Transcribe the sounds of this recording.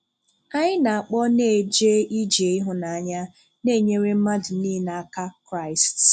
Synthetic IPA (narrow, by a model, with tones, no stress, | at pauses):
ka˦ɲɪ˦na˨a˨k͡pɔ˦ne˦˨d͡ʒe˦i˦d͡ʒe˨i˦ɦʊ˨na˨a˨ɲa˦ | ne˦˨ɲe˦ɾe˦m̩˦ma˦dʊ˨niː˦na˨a˨ka˦kɾa˦ɪ˨st